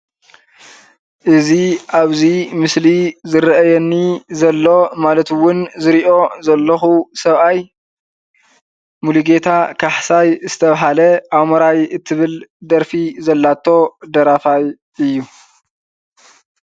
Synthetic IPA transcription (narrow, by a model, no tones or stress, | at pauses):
ʔɨziʔaβzimɨslizɨɾʔɐjɛnːizɐlːo̞malɐt̪wʊnzɨɾiʔo̞zɐlːɐxusɐβʔaj | muluɡe̞t̪ʰakʰaħsajzɨt̪ʰɐβaɦalɐʔaβmɐɾajɨt̪ʰːɨβɨld̪ɐɾfizɐlːat̪ʰːo̞d̪ɐɾafaj | ɨjːu